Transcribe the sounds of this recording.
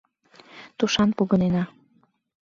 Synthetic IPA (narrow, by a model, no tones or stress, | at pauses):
t̪uʃɑnpoɣənenɑ